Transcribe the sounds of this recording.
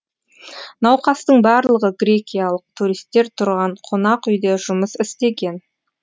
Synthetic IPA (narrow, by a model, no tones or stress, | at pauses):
nɑwqɑst̪əɴbɑɾlˠəʁəɡɾʲe̞kʲijalˠəq̚t̪ʰuɾijst̪ːe̞ɾt̪ʰʊɾʁɑɴqʰo̞nɑqʏjd̪e̞ʒʊməsɪst̪e̞ɡʲe̞n